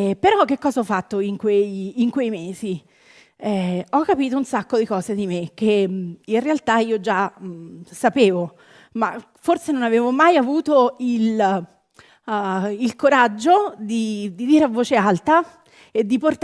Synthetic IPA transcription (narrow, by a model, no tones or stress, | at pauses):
peɾɔk̟ːekːɔːzaɔfːat̪ːoiŋkwejːŋkwejmeːzi | ɛɔkːapiːt̪ounsakːod̪ikɔːzed̪imek̟ːeinrealt̪aiːod͡ʒa | sapeːvo | ma̰ | forsenonaveːvomajavuːt̪oil | ilkoɾad͡ʒːod̪id̪id̪iːɾeavːoːt͡ʃealt̪a | ed̪ːiport̪